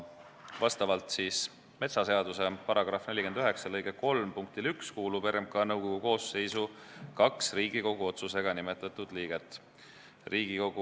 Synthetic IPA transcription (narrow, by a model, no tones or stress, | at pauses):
vɑst̪ɑvɑlt̪siːs | me̞t̪sɑse̞ɑd̪use̞pɑɾɑɡ̥rɑfne̞lʲike̞nd̪yɦe̞ksɑlɤjɡ̥eko̞lmpuŋk̚t̪ilykskuːlupeɾemkɑnɤwɡ̥o̞ɡ̥uko̞ːsːe̞jsukɑksriːɡ̥iko̞ɡ̥uo̞t̪suse̞ɡɑnime̞t̪ːˑɑt̪ːˑud̪̥liːɡ̥et̪ːˑ | riːɡ̥iko̞ɡ̥u